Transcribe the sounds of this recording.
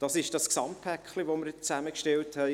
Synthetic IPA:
d̥ɑsɪʃd̥ɑsksɑmtpʰækχliʋoməɾt͡sæməkʃtɛlthɛɪ

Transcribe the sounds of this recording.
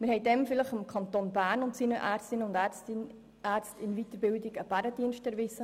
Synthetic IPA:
mɪɾhɛɪdɛmfɪləχɪmkʰɑnt̪oːnbæːɾnʊntsinəʔæːɾt͡sstɪnʊnd̪æt͡stɪn | æːɾt͡stɪnvit̪əɾbɪldiɡəb̥æɾəd̥iənʃtɛɾʋɪsə

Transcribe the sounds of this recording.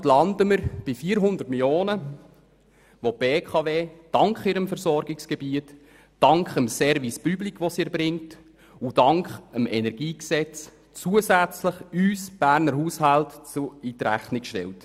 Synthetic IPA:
tlɑndəməɾb̥ifiːɾɦʊnd̪ərtmiljoːnə | ʋɔb̥eːkχɑveːd̥ɑŋkχiɾəmfəɾsɔɾɡɪksɡ̥ɛbiətː | ɑŋkχəmsɛɾvispyblikʰʋɔsiːɾbɾɪŋt | udɑŋkχəmɛnɛɾɡ̥iːksɛt͡s | t͡suəsæt͡sləχyːsb̥æːɾnəɾɦuːshɑltt͡suit̪ɾæ̰χnikʃtɛ̰lt

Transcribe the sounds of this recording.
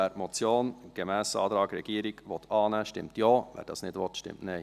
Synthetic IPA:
ɛɾmɔt͡sjoːnɡ̥əmæːsɑ̰ːd̥̪ɾɑːɡ̥ɾɛɡiːɾɪɡ̥ʋɔt̪ʰɑːnɛʃtɪ̰mtjoːʋɛ̰ːɾd̥ɑ̰snɪdʋɔt̪ʃtɪ̰mtnɛɪ

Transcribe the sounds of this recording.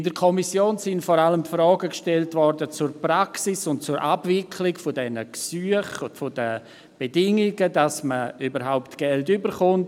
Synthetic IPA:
ɪndəɾkʰɔmisjoːnsɪntfɔɾaləmpfɾɔːɡəkʃtɛltvɔrdət͡surpɾaksisʊntt͡suɾʔabvɪkʰlɪkfʊdɛnəksyːəχʊfodə | b̥edɪŋɪɡədasməybəɾɦaʊptɡ̥ɛltybəɾχʊnt

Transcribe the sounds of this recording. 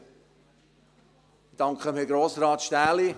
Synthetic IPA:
d̥ɑŋkχəmiːɡɾoːsɾɑːt̪ʃtæːli

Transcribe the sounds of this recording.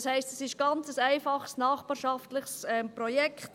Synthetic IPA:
shæɪstəsɪʃɡ̥ɑnt͡səsæɪfɑχsnɑːχbɑːɾʃɑftlɪχsɛmpɾɔjɛkχt

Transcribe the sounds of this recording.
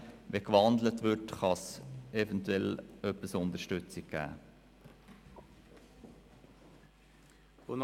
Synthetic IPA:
ʋekʋɑnd̪lətʋʏtχɑsɛvɛntʰʉɛlœpːəsʊnt̪əʃtʏt͡sɪk̚ɡ̥æ̰ː | on

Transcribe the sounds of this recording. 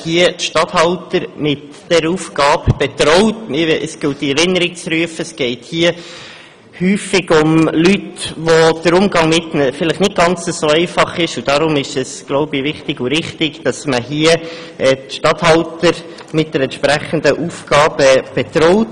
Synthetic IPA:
hiəʃtɑthɑltəɾmɪt | d̥ɛɾuːfɡ̥ɑːbb̥ɛt̪ɾɔʊtmɪəsɡ̥ɪt̚diɛɾɪnːəɾɪk̚t͡sɾyəfəəsɡ̥ɛɪthiə | hyːfɪɡʊmlytʋod̥əɾʊmɡɑŋmɪtnəfɪləχnɪt̚ɡ̥ɑnt͡səsoːɛɪfɑχɪʃud̥ɑɾʊmɪʃɛsɡ̥loʊbəvɪχtɪɡʊɾɪχtɪɡd̥ɑsməɦiə | ɛtʃtɑt̪hɑltəɾ | mɪt̚d̥̪əɾɛntʃpɾæχənd̪əʔufɡ̥ɑːbɛb̥ɛt̪ɾɔʊt

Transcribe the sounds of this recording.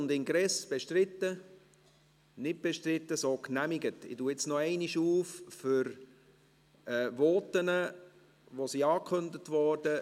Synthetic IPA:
ʊndɪŋɡɾɛsb̥eʃtrɪtːə | nɪt̚b̥eʃtɾɪtːəsoːknæmiɡətɪ̰tuɪt͡snɔɛɪniʃuːffʏɾ | ɛːʋɔːtənə | ʋosiɑːkʰχɵndətʋɔrd̥ə

